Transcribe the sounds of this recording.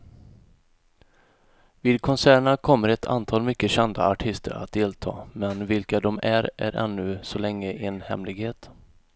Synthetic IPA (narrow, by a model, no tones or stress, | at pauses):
viːd̪̚kʰɔnsæːɳakʰɔmːəɾɛt̪ʰa̰nt̪ʰɑːlmʏkːəɕɛnd̪a̰aʈʰɪst̪ʰə̰ɾa̰t̪̚d̪eːlt̪ʰɑ̰ːmɛnvɪlkad̪ɔmæɾæ̰ɾʔɛ̰nːɵsɔlɛŋːəʔɪnhɛ̰mlɪɡheːt̪